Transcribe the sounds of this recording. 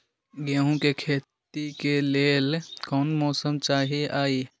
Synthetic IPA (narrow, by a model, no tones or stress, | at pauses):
ɡeɦũkekʰeːt̪ | ikeleːlkɔːnmɔːsəmt͡ʃaːɦiaːi